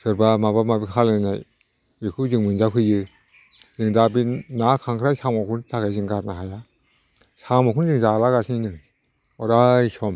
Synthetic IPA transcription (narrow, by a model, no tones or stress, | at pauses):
sɯɾbamabamabikʰalɯnnaj | ikʰuzɯŋmɯnzapʰɯjɯ | zɯŋdabinakʰaŋkʰɾajsamɔkʰuntʰakajzɯŋɡaɾnaɦaja | samɔkʰunzɯŋzalaɡasininɯŋ | ɔɾajsɔm